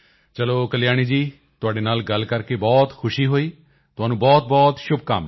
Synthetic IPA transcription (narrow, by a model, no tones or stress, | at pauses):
t͡ʃəloːkəlɪjaːɽ̃iːd͡ʒiː | t̪ʊaːɖeːnaːlɡəlkəɾkeːbɔːt̪kʰʊʃiːɦoːiː | t̪ʊɦaːnũːbɔːt̪̚bɔːt̪ʃʊbka̰ːm